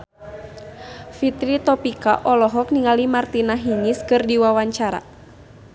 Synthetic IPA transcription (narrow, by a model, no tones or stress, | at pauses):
fit̪ɾit̪ɔpika̰ʔɔlɔɦɔk̚niŋalimart̪inaɦiŋiskɨrdiwawaɲt͡ʃaɾa̰